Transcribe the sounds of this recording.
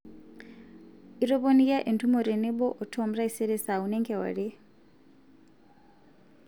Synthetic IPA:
iɾɔ˦pɔnija˦ʔe˨ntʰumɔɾɛ˨nɛ˦ɓɔ˦ʔɔ˨tʰɔmɾa˦isɛ˦ɾɛ˦sa˨unɛŋkʰɛwa̰˨ɺɛ˦

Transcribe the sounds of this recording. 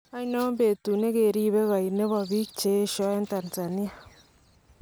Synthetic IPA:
a˦nɔ˦m˦be˨tu˨ne˦ke˨ɾi˦be˦ka˨i˨ne˦bɔ˨bi˦k̚t͡ʃe˦ʃɔ˦e˦n˦ta˨nsa˨ni˦a˨

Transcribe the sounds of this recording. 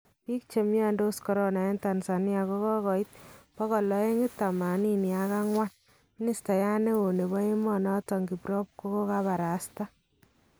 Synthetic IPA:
pi˦k̚t͡ʃe˨mjɔ˦ndo˦skɔ˨ɾo˦na˨ɛ˦nta˨nsa˨nja˨ko˦kɔ˦kɔ˨it̪̚pɔ˦kɔ˨lɔ˨˦e˦ŋɡɪ˦tːa˨ma˨ni˦ni˨a˨˦ka˦ŋwa˦n | mi˦ni˦sta˨ja˦ne˦wo˨ne˨bɔ˦e˦mɔ˦nɔ˦tɔ˨ŋɡi˨pɾɔ˦p̚ko˦ko˦ka˦βa˨ɾa˨sta˦

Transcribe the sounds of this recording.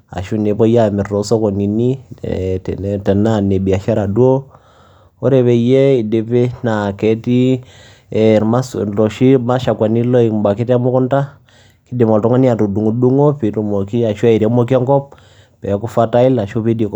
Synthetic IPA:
a̰˨ʃu˦ne˨pɔ˦ja˦mi˨ɾɔ˨˦so˦ko˨ni˨nḭ˦˨ | tɛ˨na˦˨ne˨bi˨a˨ʃa˦ɾa˨du˦o˦ | o˦ɾe˨βɛ˨jɛ˦i˨de˨pe˦na˨kɛ˨˦ti˦ | ɛ˨ɾma˦slɔ˨ʃi˦ma˦ʃa˨kwa˨ni˦lɔ˦i˨mba˨ki˦tmɔ˦kɔ˦nta˦ | ki˦di˨mɔ˨tɔ˦ŋa˦ni˦a˨tu˨du˨ŋu˨du˦ŋo˦pi˨˦tu˨mo˨ki˦a˨ʃu˦a˦i˨ɾa˦mo˦k̬i˦a˦ŋkɔ˦p̚ | pɛ˨˦ku˦fa˦ta˦i˦la˨ʃu˦pi˦di˨k

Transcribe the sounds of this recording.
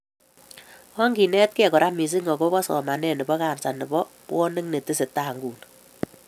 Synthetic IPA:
ɔ˦ŋɡi˨nɛ˦t̚kɛ˦˨kɔ˨ɾa˦mi˨s̬i˦ŋɡɔ˨ko˦kɔ˦sɔ̰˨ma˨nɛ˦˨ne˨bɔ˦ka˨nsa˨ni˨bɔ˦pwɔ˦ne˦ŋne˨ti˦se˨ta˦˨ŋɡuː˨n

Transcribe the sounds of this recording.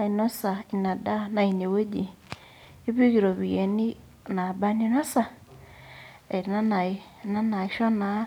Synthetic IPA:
a˨i˨no˦sa˨i˨na˨da˦na˨ine˨we˦ɟi˨ | i˦βi˦ɣi˨ɾo˨βie˨ni˦ | na˨ba˦ni˦no˦sa˨ | e˨ɾi˨na˦na˨i˨ | na˦na˨iʃo˦na

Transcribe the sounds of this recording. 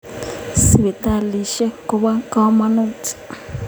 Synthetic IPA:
si˨βɛ˨t̪a˦˨li˨ʃɛ˦kɔ˨βa˦ka˦ma˦nu˦˨ti̥˨

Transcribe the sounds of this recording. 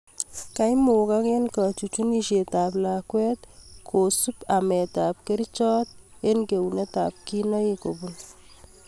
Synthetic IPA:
ka˦jmu˨ka˦ke˦nka˨t͡ʃu˨t͡ʃu˦ni˨ʃe˨taː˨pla˨kwɛ˦t̪kʰo˨su˦pa˨mɛ˨taː˨p̚ke˦ɾt͡ʃɔː˦t̪e˦nke˨wune˦ta̰˨p̚ki˦nɔ˦ji˦ko˨bu˨n

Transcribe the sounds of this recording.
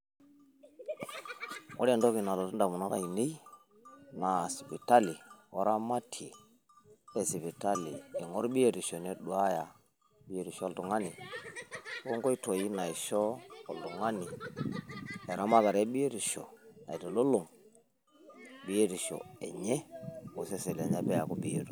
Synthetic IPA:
wo̰˦ɾe˨do˦ki˨na˨lo˨to˦nda˨mu˨na˦ɾa̰˨i˨ne˦i˦ | na˨si˨pi˨ta˦li˨wa˨ɾa˦ma˦tʰi˨ | e˨si˨pi˨ta˦lḭː˨ŋo˦ɾɓi˦je˦˨ɾi˨ʃo˨ne˦ɗu˨a˦ja˨ | ɓi˦e˦ɾi˨ʃo˦o˦lto˨ŋa˦ni˨˦ | o˦ŋko˦i˦to˨ji˦na˨i˨ʃo˦o˨ltu˨ŋa˦ni˨ | e˨ɾa˦ma˦ka˨ɾe˦ɓi˦e˦ɾu˨ʃo˨na̰˨i˨to˨lo˦lo˨ŋ | bi˦je˦ɾi˨ʃo̰˨ḛ˨ɲe˦o˨se˦se˨le˨ɲa˦be˦ja˨ku˦bi˦e˨tu˨

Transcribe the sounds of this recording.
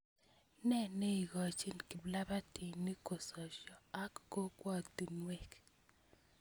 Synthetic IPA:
nɛ˦˨ne˦i˨ɡɔ˨t͡ʃi˦nki˨bla˦ba˦tʰi˨ni˦ko˨sɔ˨ʃɔ˨a˦kːo˦kwɔ˦t̪i˨nwe˦˨k

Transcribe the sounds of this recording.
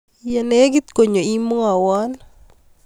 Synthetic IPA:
jɛ˨nɛ˦ɡi˦t̪ko˨ɲo˨i˦mo˦a˨wɔ˦n

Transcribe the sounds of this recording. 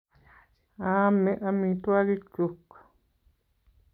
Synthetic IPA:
ã˦mẽ˧ʔã˧mĩ˧t̪u˦a˦ɾi˦t͡ʃu˧kḁ˨

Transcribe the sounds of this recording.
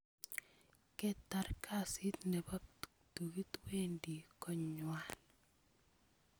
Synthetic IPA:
kɛ˦ta˨ɾkʰa˦˨si˦t̪nɛ˨ba˦p | tu˨ɣi˦t̪we˦ndi˨kɔ˦ɲwa˨n

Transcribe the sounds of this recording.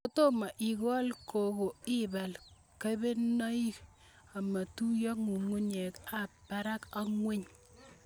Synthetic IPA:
ko˦to˦ma˨ʔi˨kɔ˦lkʰo˨ko˨i˦ba˨l | ka˦be˦na˦i˦ | a˨ma˨tu˦jɔ˦ŋu˨ŋu˦ɲe˨ka˦pa˦ɾa˦ka˦ŋwe˦ɲ

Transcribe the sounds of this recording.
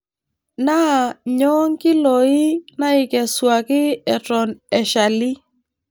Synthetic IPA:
na˦˨ɲɔ˦ŋkɪ˦lo˨ɪ˦na˦ɪ˨kɛ˨swa˨kɪ˦ɛ˨tɔ˨nɛ˨ʃa˨li˦

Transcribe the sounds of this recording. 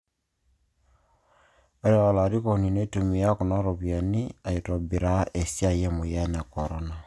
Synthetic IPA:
a˦ɾe˦ɣa˨la˨ɾi˦ko˨ni˨ne˦tu˨mi˨ja˦ko˨na˦ɾo˨βja˨ni˦a˨i˨tɔ˨bi˨ɾa˦e˨sja˦jɛ˦mo˨ja˦na˨kɔ˨ɾɔ˦na˨

